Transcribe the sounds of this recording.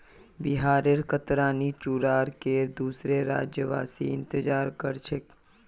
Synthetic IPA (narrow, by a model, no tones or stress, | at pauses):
bɪɦaːɾeɾkət̪ɾaːnit͡ʃuːɾaːɾked̪uːsɾeɾa̰ːd͡ʒjəʋa̰ːsḭɪ̃nt̪əd͡ʒaːɾkəɾt͡ʃʰek